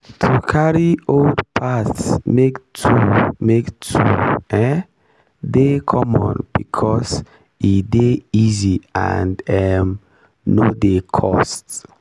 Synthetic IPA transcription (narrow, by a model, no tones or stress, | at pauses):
tʰukʰaɹioldpʰatsmektʰumektʰuɛ | dekʰɔmɔ̰̃nb̥ikʰɔs | ideizia̰ndɛm | nodekʰɔst